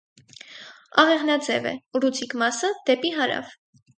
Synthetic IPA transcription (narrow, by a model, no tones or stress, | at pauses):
ɑʁɛʁnɑd͡zɛ̰vɛ̰rut͡sʰikmɑsəd̪̥ɛpiɦɑɾɑ̰v